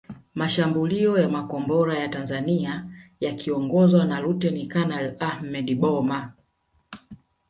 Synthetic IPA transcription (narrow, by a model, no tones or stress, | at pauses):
maʃambuliɔjamakɔmbɔɾajatanzaniajakʰiɔŋɡɔzwanaɾutɛnikanalahmɛɗiɓɔma